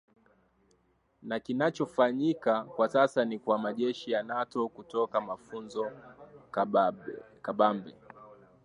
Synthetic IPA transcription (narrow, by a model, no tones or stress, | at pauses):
nakinat͡ʃɔfaɲikakwasasanikwamaʄɛʃijanatɔkutɔkamafunzɔ | kaɓambɛ